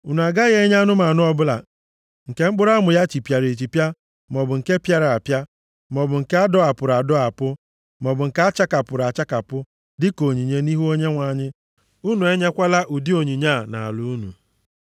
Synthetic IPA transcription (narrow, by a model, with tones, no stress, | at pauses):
u˨n˨a˨ɡa˦ɣe˦ɲ˦a˦nʊ˦ma˨nʊ˦ɔ˦bʊ˦la̰˨ | ŋ̩˨ke˨˦ŋ͡m̩˦k͡pʊ˦ɾa˦mʊ˨ja˦t͡ʃi˨pja˨ɾe˨t͡ʃi˨pja˦ | mɔ˨bʊ˨ŋ̩˨ke˦pja˦ɾa˨a˨pja˦ | mɔ˨bʊ˨ŋ̩˨ke˦a˦dɔ˦a˨pʊ˨ɾa˨dɔ˦a˨pʊ˦ | mɔ˨bʊ˨ŋ̩˨ka˦a˦t͡ʃa˦ka˨pʊ˨ɾa˨t͡ʃa˦ka˨pʊ˦ | dɪ˦ko˨ɲi˨ɲe˦ni˦ɦu˦o˦ɲe˦ŋʷa˨˦˨ɲɪ˦ | u˦nu˨e˦ɲe˦kʷa˦la˦ʔu˨di˦o˨ɲi˨ɲa˦˨na̰˨a̰˨lʊ˦u˦nu˨